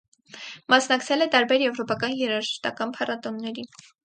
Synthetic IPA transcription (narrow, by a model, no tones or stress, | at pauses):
mɑsnɑkt͡sʰɛlɛt̪ɑɾbɛɾjɛvɾɔpɑkɑnjɛɾɑʒəst̪ɑ̰kɑnpʰɑrɑt̪ɔnːɛɾi